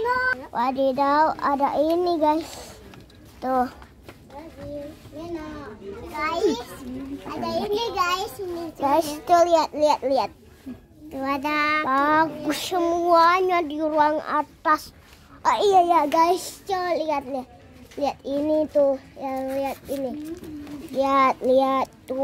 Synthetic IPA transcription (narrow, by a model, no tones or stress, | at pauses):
nwadidauʔadaʔiniɡais | t̪uh | ɡaisadainiɡaisiniɡaist͡ʃəliat̪̚liat̪̚liat̪̚ | t̪uadabaɡusəmuaɲadiɾuaŋa̰t̪as | aijajaɡaist͡ʃəliat̪̚liat̪̚ | liat̪init̪ujaŋliat̪̚ini | liat̪̚liat̪ːu